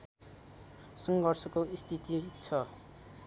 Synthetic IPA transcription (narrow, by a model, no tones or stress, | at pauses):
sʌŋɡʌrsʌkoist̪ʰit̪it͡sʰʌ